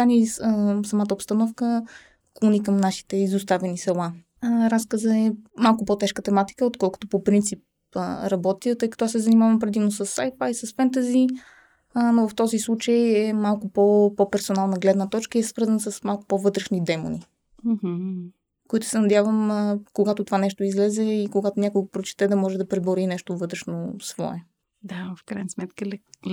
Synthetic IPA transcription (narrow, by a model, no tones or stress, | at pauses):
anisɐmat̪əopst̪ɐnɔfkə | klˠonikɐmnaʃi̥t̪ɛizʊst̪avɛnisɛlˠa | ɾaskəzəɛmalˠkʊpɔt̪ɛʃkət̪ɛmat̪i̥kəot̪kɔlˠko̥t̪opopɾint̪sip̚ | əɾɐbɔt̪iət̪ɤjkɐ̥t̪ɔasɛzɐnimavɐmpɾɛd̪imnosəsːajfajsɐsfɛnt̪̬əzi | novɐft̪ɔzislˠut͡ʃəjɛmalˠkʊpopopɛɾsonalˠnəɡlɛd̪nət̪ɔt͡ʃkəiɛsvɤɾzənəsɐsmalˠkʊ̥povɤt̪ɾɛʃnid̪ɛmo̰ni | ɦ̩ | koit̪ʊ̥sɛnɐd̪javəməkoɡat̪ot̪ovanɛʃt̪oʊizlɛzɛikoɡat̪onʲakoɡopɾot͡ʃɛ̥t̪ɛd̪ɐmɔʒɛd̪ɐpɾɛboɾinɛʃt̪ovɤt̪ɾɛʃnosvɔ̰ɛ | d̪afkɾajnəsmɛt̪kəlɛ